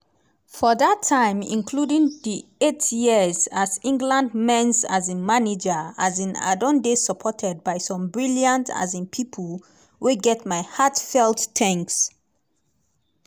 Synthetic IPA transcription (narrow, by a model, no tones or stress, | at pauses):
fɔðatʰːãɪ̃mḭ̃nkʰludĩŋðietʰjizazĩŋɡlãndmɛ̃nsazĩnmaned͡ʒəazĩna̰dɔ̃ndesəpʰɔtʰɛd̚baɪsɔ̃mbɹiljãntʰa̰zĩnpʰipʰəl | weɡɛtmaɪhatfɛlˠttʰɛ̃ŋks